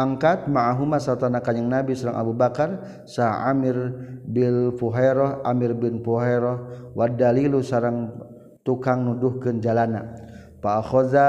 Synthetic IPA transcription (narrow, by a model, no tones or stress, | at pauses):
aŋkat̪̚maaɦumasart̪anakaɲaŋnabisaɾa̰ŋʔa̰bubakar | saa̰mirbilfuɦaɾɔhʔamirbinpuɦɛɾɔhwadalilusaɾaŋ | t̪ukaŋnuduhkɨnd͡ʒalana | paaxɔza